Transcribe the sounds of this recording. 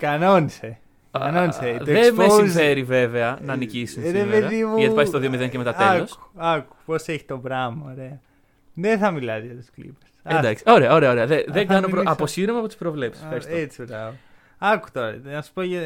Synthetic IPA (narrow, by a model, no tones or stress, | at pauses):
kɐnonise | ɐnoniseðemesife̞ɾive̞ve̞ɐnɐːnicisunsɾeeðimɐipɐst̪oðio̞miðeŋcemet̪ɐteosɐku̥poseçi̥t̪o̞bɾɐmɐoɾe̞ɐ | ðeθɐmilɐzʝɐt̪u̥sklḭpe̥send̪ksio̞ɾe̞ɐoɾe̞ɐo̞ɾe̞ɐðeðeŋɡɐnopɾoɐpo̞siɾomɐpot̪u̥spɾo̞vle̞psisffxɐɾist̪et͡sibɾɐvo | ɐku̥t̪oɾɐnɐsu̥poʝɐ